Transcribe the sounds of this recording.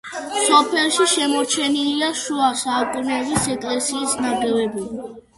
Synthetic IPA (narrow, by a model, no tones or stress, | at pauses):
sɔpʰɛlˠʃiʃɛmɔɾt͡ʃʰɛniliaʃuasaukʼunɛbisɛkʼlɛsiːsnaɡɛvɛbuli